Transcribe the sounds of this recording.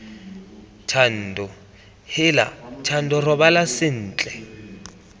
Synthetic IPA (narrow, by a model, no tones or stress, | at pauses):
tʰan̩ːdɔ | hɪla̰t͡ʃʰan̩dɔrɔbalasɪn̩ːt͡ɬʼɛ